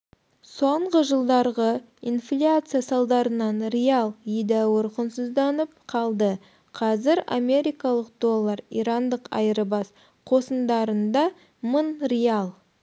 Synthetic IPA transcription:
so̞ɴʁəʒəlˠd̪ɑɾʁə | inflʲat̪sɨjasɑlˠd̪ɑɾənɑnɾejalˠed̪æwəɾqənsəzd̪ɑnəp̚qʰɑlˠd̪ə | qʰɑzɪɾa̰me̞ɾʲijkɑlˠəqd̪o̞lˠːəɾḭɾɑnd̪əqɑ̰jəɾəbɑs | qʰo̞sənd̪ɑɾənd̪ɑ | mənrejalˠ

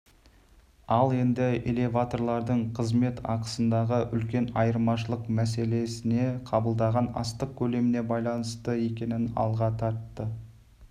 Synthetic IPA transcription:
ɑlˠe̞nd̪ɪele̞vat̪o̞ɾlˠɑɾd̪əɴqʰəzme̞t̪ʰɑ̰qəsənd̪ɑʁəʔʏlkʲe̞nɑjəɾmɑʃəlˠəqmæse̞le̞sɪne̞qʰɑbəlˠd̪ɑʁɑnɑ̰st̪əq̚kʲʰɵle̞mɪne̞bɑjlˠɑnəst̪əe̞kʲe̞nɪnɑ̰lˠʁɑt̪ʰɑɾt̪ːə

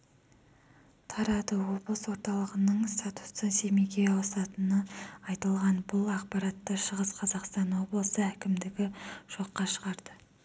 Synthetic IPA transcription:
t̪ʰɑɾɑd̪əwo̞blˠəswo̞ɾt̪ɑlˠəʁənəɴst̪at̪u̥sənsemekʲeɑwɑsɑt̪ənəɑjt̪əlˠʁɑnbʊlˠɑq̚pɑɾɑt̪ːəʃəʁəsqʰɑzɑqst̪ɑnwo̞blˠəsəækʲɪmd̪ɪɡʲɪʒ̥o̞qːɑʃəʁɑɾd̪ə

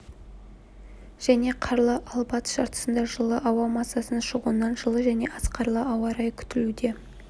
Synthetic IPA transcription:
ʒ̥æne̞qʰɑɾlˠəʔɑlˠbɑt̪ʃɑɾt̪ə̥sənd̪ɑʒəlˠəʔɑwɑmɑsːɑsənʃəʁuənɑnʒəlˠəʒæne̞ʔɑsqɑɾlˠəɑwɑɾɑjkʲʰʏ̥t̪ɪlud̪e̞

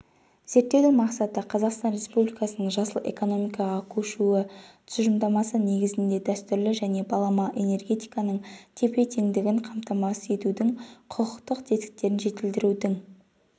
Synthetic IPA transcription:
z̥e̞ɾt̪ːe̞wd̪ɪŋmɑqsɑt̪əqʰɑzɑqst̪ɑnɾe̞spublijkɑsənəɴʒɑsəlˠe̞̰ko̞no̞mijkɑʁɑkʲʰɵʃuɪt̪ʰsʒəmd̪ɑmɑsəne̞ɡʲɪzɪnd̪e̞d̪æst̪ʏɾlɪʒæne̞bɑlˠɑmɑʔe̞ne̞rɡʲe̞t̪ijkɑnəɴt̪ʲʰe̞pe̞t̪ʰeŋd̪ɪɡʲɪɴqʰɑmt̪ɑmɑse̞t̪ud̪ɪŋqʰʊqʰəqt̪əqt̪ʰe̞t̪kʲɪ̥k̚t̪ːe̞ɾɪnʒe̞t̪ɪld̪ɪɾud̪ɪŋ

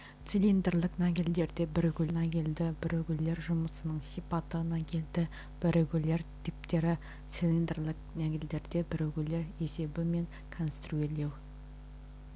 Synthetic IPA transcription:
t̪silʲind̪eɾlˠɪqnaɡʲild̪e̞ɾd̪e̞bɪɾeɡʲʏlnaɡʲild̪ɪbɪɾɵɡʲɪle̞ɾʒʊməsənəɴsipat̪ːəʁənɑkʲʰe̞ld̪ɪ | b̥ɪɾeɡʲɪle̞ɾt̪ʰip̚t̪e̞ɾɪ | t̪silʲˠind̪rlɪqnæɡʲɪld̪e̞ɾd̪e̞bɪɾɵɡʲɪle̞ɾe̞se̞bɪme̞ŋ | kʰonst̪ruele̞w

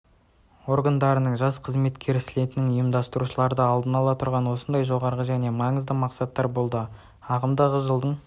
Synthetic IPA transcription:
o̞ɾɡand̪ɑɾənəɴʒɑsqʰəzme̞t̪kʲe̞ɾɪsɪle̞t̪ɪnɪŋʊjəmd̪ɑst̪əɾuʃəlˠɑɾd̪əɑlˠd̪ənɑlˠɑt̪ʰʊɾʁɑnwo̞sənd̪ɑjʒo̞ʁɑɾʁəʒæne̞mɑɴəzd̪əmɑqsɑt̪ːɑɾbo̞lˠd̪ə | ɑʁəmd̪ɑʁəʒəlˠd̪əɴ

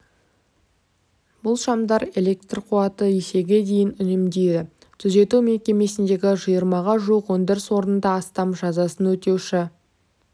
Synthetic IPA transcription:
bʊlˠʃɑmd̪ɑɾe̞lʲe̞k̚t̪rqʰuɑt̪əese̞ɡʲe̞d̪e̞jɪnʏnɪmd̪e̞jd̪ɪ | t̪ʰʏze̞t̪ume̞kʲe̞me̞sɪnd̪e̞ɡʲɪʒəjəɾmɑʁɑʒuəqwond̪ɪɾɪswo̞ɾənənd̪ɑːst̪ɑmʒɑzɑsənwɵt̪e̞wʃɪ

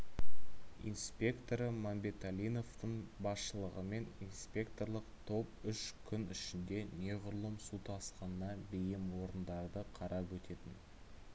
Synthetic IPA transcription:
ḭnspʲe̞kt̪o̞ɾəmanbʲe̞t̪alʲijno̞ft̪əɴbɑsʃəlˠəʁəme̞ninspʲe̞kt̪o̞ɾlˠəqt̪ʰo̞p̚ʏʃkʲʰʏnɪʃɪnd̪e̞ne̞ʁʊɾlˠəmsut̪ʰɑsqɑnnɑbejɪmwo̞ɾənd̪ɑɾd̪əqʰɑɾʔɑpwɵt̪e̞t̪ɪn

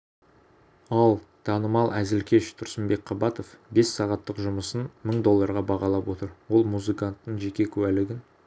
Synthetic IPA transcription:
ɑlˠt̪ʰɑnəmɑlˠæzɪlkʲe̞ʃt̪ʰʊɾsəmbe̞k̚qʰɑbɑt̪o̞fbe̞sːɑʁɑt̪ːəqʒʊməsənməɴd̪o̞lˠːɑɾʁɑbɑʁɑlˠɑpwo̞t̪əɾwo̞lˠmuzɨkant̪ːəɴʒe̞kʲe̞kʲʰʉwælɪɡʲɪn

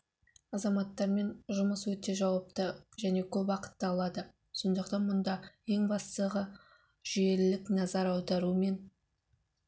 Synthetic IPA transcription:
ɑzɑmɑt̪ːɑɾme̞nʒʊməswɵt̪e̞ʒɑwɑp̚t̪əʒæne̞kʲʰɵpwɑqə̥t̪ːəɑlˠɑd̪ə | so̞nd̪əqt̪ɑnmʊnd̪ɑe̞ŋbɑst̪əʁə | ʒ̥ije̞lɪlɪknɑzɑɾɑwd̪ɑɾume̞n

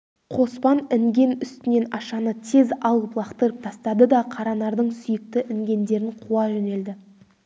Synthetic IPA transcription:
qʰo̞spɑnɪŋɡʲe̞nʏst̪ɪne̞nɑʃɑnət̪ʰe̞zɑlˠəplˠɑqt̪əɾəp̚t̪ʰɑst̪ɑd̪əd̪ɑqʰɑɾɑnɑɾd̪əɴsʏjɪk̚t̪ɪʔɪŋɡʲe̞nd̪e̞ɾɪɴqʰuɑʒɵne̞ld̪ɪ

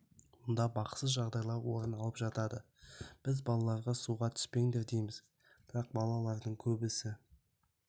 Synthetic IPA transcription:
mʊnd̪ɑbɑqsəzʒɑʁd̪ɑjlˠɑɾwo̞ɾənɑlˠəpʒ̥ɑt̪ɑd̪ə | b̥ɪzbɑlˠɑlˠɑɾʁɑsuʁɑt̪ʰʏ̥spe̞ŋd̪e̞ɾd̪e̞jmɪz | b̥ɪɾɑq̚bɑlˠɑlˠɑɾd̪əɴkʲʰɵbɪsɪ

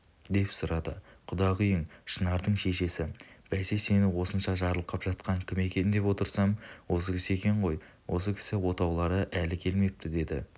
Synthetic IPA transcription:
d̪e̞psʊɾɑd̪ə̰qʰʊd̪ɑʁʏjɪŋʃənɑɾd̪əɴʃe̞ʃe̞sɪb̥æse̞se̞nɪwo̞sənʃɑʒɑɾlˠəqːɑpʒ̥ɑt̪qɑŋkʲʰɪme̞kʲe̞nɪd̪e̞pwo̞t̪əɾsɑmwo̞s̬əkʲʰɪsɪe̞kʲe̞ɴʁo̞j | wʔo̞s̬əkʲʰɪ̥sɪwo̞t̪ɑwlˠɑɾəʔælɪkʲʰe̞lme̞p̚t̪ɪd̪e̞d̪ɪ̰

